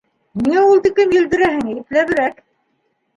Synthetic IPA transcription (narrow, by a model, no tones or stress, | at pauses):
miŋæulˠt̪ikɘmjɘ̆ld̪ɘ̆ɾæɦɘŋæjɘ̆p̪læβɘ̆ɾæk